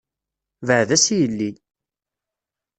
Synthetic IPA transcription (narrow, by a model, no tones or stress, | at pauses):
vəʕðæsijəlːi